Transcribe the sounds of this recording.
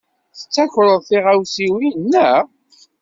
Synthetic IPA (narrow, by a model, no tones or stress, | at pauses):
θət͡sːæçɾˤəðˤθiʁæwsiwinːə